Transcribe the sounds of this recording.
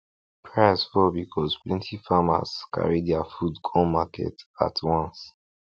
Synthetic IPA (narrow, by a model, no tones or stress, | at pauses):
pʰɹasfɔbikʰɔsplɛ̃ntʰifama̰ska̰ɹidɛafudkʰɔ̃makʰɛ̰ta̰tʰwãns